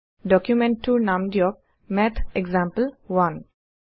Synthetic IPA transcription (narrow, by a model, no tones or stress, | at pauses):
ɖɔkjumẽɳʈʈːunãmɖjɔk̚ | mɛt̪ʰeɡzãmpəlwʌ̃n